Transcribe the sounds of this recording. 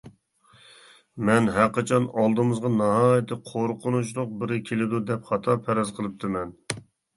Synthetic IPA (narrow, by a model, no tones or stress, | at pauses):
mɛnɦæqʰɑt͡ʃʰɑnɑlˠd̪ɨmɨzʁɑnɑɦɑːjɪt̪ʰːɨqʰoɾqʰʊnut͡ʃlˠʊq̚bɪɾɪkʲʰelɪd̪ud̪ɛpχɑt̪ʰɑpʰɛɾɑzqʰəlˠɨp̚t̪ʰɨmɛn